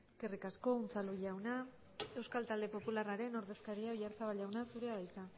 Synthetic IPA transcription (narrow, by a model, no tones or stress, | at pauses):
ske̞rikasko̞unt͡saluʝawna | e̞wskalt̪ald̪e̞po̞pularaɾe̞no̞ɾðe̞skaɾiaoʎaɾt͡saβalʝawnasuɾe̞aðajt͡s̪a